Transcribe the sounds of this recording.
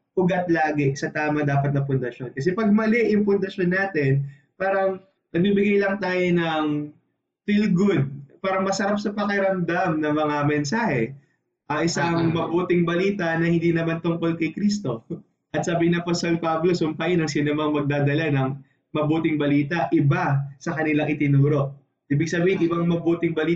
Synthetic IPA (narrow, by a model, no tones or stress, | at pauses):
ʔʊɡɐt̪̚laːɡɛsɐt̪aːmɐd̪aːpɐt̪̚nɐpʊnd̪ɐʃo̞nkɐs̬ɛpɐɡ̚mɐlɛʔjʊŋpʊnd̪ɐʃo̞nːaːt̪ɛn | paːɾɐŋ | nɐɡ̚bibɪɡajlɐŋt̪aːjonɐŋ | filɡʊd̪̚paːɾɐŋmɐsɐɾap̚sɐpɐkɪɾɐmd̪amnɐŋmɐŋamɛnsaːhɛ | ʔɐʔɪsaŋmɐbuːt̪ɪŋbɐliːt̪ɐnɐhɪ̃nd̪iːnɐmant̪ʊŋko̞lkɐjkɾist̪o̞ | ʔɐt̪̚sɐbiːɪnɐposɛlpablosʊmpajɪnɐŋsɪnomɐŋmɐɡ̚d̪aːd̪ɐlanɐŋ | mɐbuːt̪ɪŋbɐliːt̪ɐʔɪbasɐkɐnɪlaŋʔɪt̪ɪnuːɾo̞ʔ | ʔiːbɪɡ̚sɐbiːhɪnʔɪbaŋmɐbuːt̪ɪŋbɐliː